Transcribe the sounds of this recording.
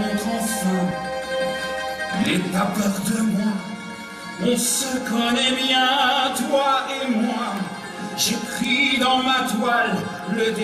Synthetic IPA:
ɔ̃t̪ɔ̃fɔ | ilɛtapɛʁd̪əmwa | ɔ̃səkɔ̃nɛmjɛ̃t̪waemwa | ʒəkχid̪ɑ̃mat̪wal | ləd̪

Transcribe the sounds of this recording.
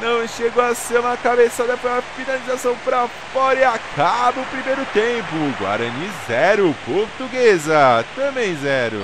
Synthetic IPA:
nɐ̃w̃ʃeɡowaseɾũmɐkabesad̪ɐpɐɾɐfinalizasɐ̃w̃pɾafɔɾiakʰabʊʊpɾimejɾʊt̪ẽpʊɡwa̰ɾɐ̃nizɛɾʊpoɾt̪uɡezɐt̪ɐ̃bẽj̃zɛɾʊ̰

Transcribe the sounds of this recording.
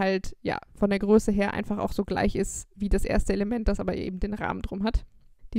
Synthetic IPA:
altja̰ːfɔndeːɐɡʁøːsəɦeːɐʔa̰ɪnfaχa̰ʊxz̥oːɡla̰ɪçɪstviːdasʔḛːɐstəeləmɛnt̚d̥asʔaːbɐʔḛːbm̩deːnʁa̰ːməndʁʊmɦatd̥iː

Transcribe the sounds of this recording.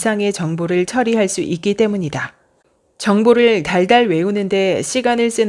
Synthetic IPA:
sʰaŋe̞t͡ɕʌŋboɾɯɭt͡ɕʰʌɾiɦaɭs͈uʔik͈it͈e̞muɲida | t͡ɕʌŋboɾɯɭtaɭdaɭwe̞unɯnde̞ɕʰiɡanɯɭs͈ɯn

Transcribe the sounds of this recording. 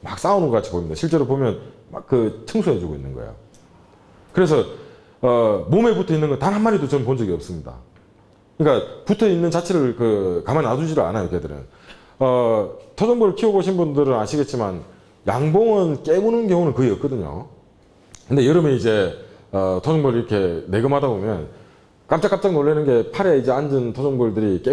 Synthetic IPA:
mak̚s͈aunɯnŋɡʌkat͡ɕʰi̥poimɲid̥̪a̰ɕʰiɭt͡ɕ͈e̞ɾopomjʌnma̰kk͈ɯt͡ɕʰɯŋsʰuɦed͡ʑuɡoḭnːɯnɡʌ̰ḛjo̰ | kɯɾe̞s̬ʰʌː | mome̞putʰʌinːɯnɡʌntanɦanmaɾidot͡ɕʌnpond͡ʑʌɡiʌps͈ɯmɲida̰ | ɯɲik͈aputʰʌinːɯnt͡ɕat͡ɕʰeɾɯɭkɯkamanːadud͡ʑiɾɯɭa̰najokedɯɾɯ̰n | ʌtʰod͡ʑoŋbuɾɯɭkʰioboɕʰinbundɯɾɯnaɕʰiɡe̞t̚t͡ɕ͈iman | jaŋboŋɯnk͈eunɯnɡjoŋonɯnkɯɡeʌt̚k͈ʌdɯɲo̰ | kɯnde̞jʌɾɯmeid͡ʑe̞ʌtʰod͡ʑoŋbuɾɭiɾʌkʰe̞ne̞ɡɯmɦadabomjʌ̰n | k͈amt͡ɕ͈ak͈ap̚t͡ɕ͈aŋnoɭːenɯnɡe̞pʰaɾe̞id͡ʑe̞and͡ʑɯntʰod͡ʑʌŋbuɭdɯɾik͈e

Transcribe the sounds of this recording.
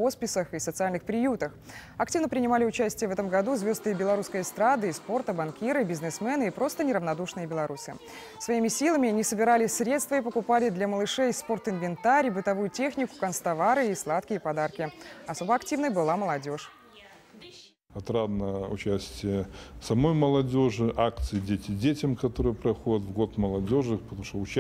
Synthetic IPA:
ospʲɪsəxisət̪sɨalʲnɨxpɾʲɪjut̪əx | ɐktʲivnəpɾʲɪnʲɪmalʲɪʊt͡ɕæsʲtʲɪjəvɛt̪əmɡɐd̪uzvʲo̞zt̪ɨjəbʲɪlˠɐɾuskəjəst̪ɾad̪ɨispo̞rt̪əbɐnkʲiɾɨbʲɪznɨsmɛnɨipɾo̞st̪ənʲɪɾəvnɐd̪uʂnɨjəbʲɪlˠɐɾusɨ̰ | svɐimʲɪsʲilˠəmʲɪɐnʲɪsəbʲɪɾalʲɪsʲɾʲe̞t̪st̪vəipəkʊpalʲɪd̪lʲaməlˠɨʂɛjspo̞rt̪ɨnvʲɪnt̪aɾʲbɨt̪ɐvujʊtʲe̞xnʲɪkʊ̥kɐnst̪ɐvaɾɨislˠat̪kʲɪjːpɐd̪arkʲɪɐso̞bəɐktʲivnəjbɨlˠaməlˠɐdʲo̞ʂ | ɐt̪ɾad̪nəʊt͡ɕæsʲtʲɪjəsɐmojməlˠɐdʲo̞ʐɨʔakt̪sɨjɪdʲetʲɪdʲetʲəmkɐt̪o̞ɾɨjəpɾɐxodʲət̪vɡot̪məlˠɐdʲo̞ʐɨpt̪ɐmu̥ʂt̪oʊt͡ɕ

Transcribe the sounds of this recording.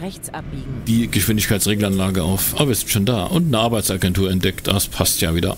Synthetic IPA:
d̥iːɡ̥əʃv̥ɪndɪçkʰaɪt͡ssʁeːɡl̩anlaːɡəʔa̰ʊfʔa̰ːbɐviːɐz̥ɪntʃoːnda̰ːʔʊntnəʔaɐbaɪt͡saːɡɛntʰuːɐɛntd̥ɛkta̰spʰastjaːviːdɐ̰

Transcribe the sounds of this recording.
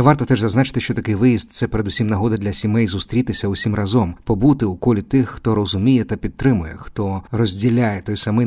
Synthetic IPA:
ʋɑrt̪ɔt̪ɛʐzɐznɑt͡ʃɪ̥t̪ɪʃt͡ʃɔt̪ɐkɪjʋɪjizt̪̚t̪sɛpeɾed̪usʲimnɐɦɔd̪ɐd̪lʲɐsʲimɛjzʊst̪ɾʲit̪ɪsʲɐʊsʲimrɐzɔmpɔbut̪ɪukɔlʲit̪ɪxːt̪ɔɾɔzʊmʲijɛt̪ɐpʲid̪̚t̪ɾɪmʊjɛ̰xt̪ɔrɔzʲdʲilʲajɛt̪ɔjsɐmɪ

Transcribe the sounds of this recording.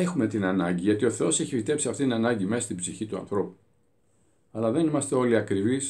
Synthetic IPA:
e̞xume̞t̪inɐnɐ̰ɲɟiʝɐt̪io̞θe̞o̞se̞çipit̪e̞psiɐft̪it̪inɐnɐɲɟime̞sɐst̪ibziçit̪uɐ̰nθɾo̞pu̥ | ɐlɐðe̞nimɐst̪e̞o̞liɐkɾivis

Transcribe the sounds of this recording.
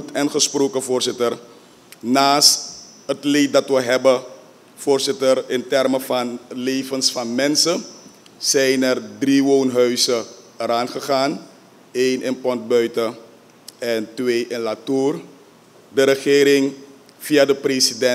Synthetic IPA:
tɛnχəsproːkəvoːɹsɪtər | naːst | ɦətlet̚dɑtʋəɦɛbə | foːrzɪtərɪntɛrməvɑnleːvənsfɑnmɛnsə | zɛjnɛrdriʋoːnɦœɥsəəɾaːnχəχaːn | eːjnʔɪnpɔnt̚bœɥtə | ɛntʋeːʔɪnlatuːr | dəɾəχɪːɾɪŋ | vijadəpresidɛ

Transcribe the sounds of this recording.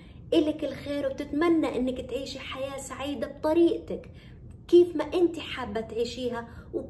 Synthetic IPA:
ʔɪlɪkɪlxeːɾwb̚t̪ɪt̪manːaʔɪnːɪkt̪ʕiːʃiħajaːsaʕiːd̪ab̚t̪ˤɑɾiːʔt̪ak | kiːfmaʔɪnt̪iħabːat̪ʕiːʃiːɦaw

